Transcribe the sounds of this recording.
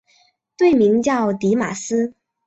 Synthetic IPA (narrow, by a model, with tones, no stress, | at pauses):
t̪we˥˩ɪmi˧˥ŋt͡ɕjɑ˥˩ʊt̪i˧˥ma̰˨˩sɹ̩˥